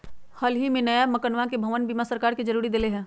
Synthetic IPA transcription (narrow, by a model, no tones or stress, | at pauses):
hɐlɦimẽnɐjamɐkənʋãkebʱɐʋənbimasəɾkaːɾkid͡ʒɐɾuːɾid̪ɪleɦɛ̃ː